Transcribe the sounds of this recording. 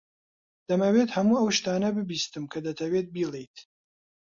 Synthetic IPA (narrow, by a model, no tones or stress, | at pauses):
d̪̥ɐmɐwet̪hɐmuːɐwʃt̪aːnɐbɨbiːst̪ɨmkʰɐd̪ɐt̪ʰɐwet̪̚biːlˠejt̪